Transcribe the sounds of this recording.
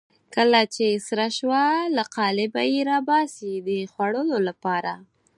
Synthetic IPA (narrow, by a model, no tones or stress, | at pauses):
kəlat͡ʃesɾaʃwalaqɑlɪbajeɾɑbɑsid̪əxwaɽəlolapɑɾa